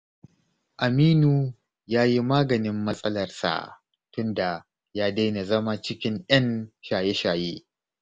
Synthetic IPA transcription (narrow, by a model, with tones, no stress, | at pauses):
ʔa˨miː˦nu˨ | jaː˦ji˦maː˦ɡɐ˨nɪ˦mːɐ˦sʼɐ˦lɐ˨rsa̰˨ | tʊ˦nda˨ | jaː˦da˦jna˨zɐ˦ma˦t͡ʃɪ˦kʲɪ˦ŋʔjɐ˦nʃaː˨je˦ʃaː˨jeː˦